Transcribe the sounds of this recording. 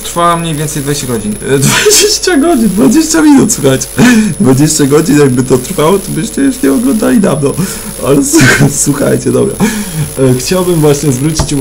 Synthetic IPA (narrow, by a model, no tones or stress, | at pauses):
t̪ɾfawamɲejvʲɛnt̪sɛjd̪vad͡ʑeɕt͡ɕaɡɔd͡ʑind̪vad͡ʑeɕt͡ɕaɡɔd͡ʑind̪vad͡ʑeɕt͡ɕamʲinut̪swuxajt͡ɕɛ̥d̪vad͡ʑeɕt͡ɕaɡɔd͡ʑinjaɡ̚bɘt̪ɔt̪ɾfawɔt̪ɔbɘɕt͡ɕɛjuʂɲɛɔɡlɔnd̪alʲid̪avnɔ | a̰lɛsswuxa̰jt͡ɕɛd̪ɔ̰bɾɛ̰ | xt͡ɕawbɘmvwaɕɲɛzvɾut͡ɕit͡ɕu